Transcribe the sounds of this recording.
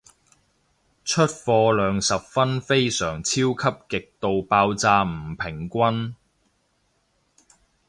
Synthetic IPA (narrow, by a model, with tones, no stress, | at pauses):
t͡ʃʰɵ˥t̚fɔː˧lœː˨˧ŋsɐ˨p̚fɐ˥nfe˥jsœː˨˩ŋt͡sʰiː˥wkʰɐ˥p̚kɪ˨k̚t̪o˨wpaː˧wt͡saː˧m̩˨˩pʰɪ˨˩ŋkʷɐ˥n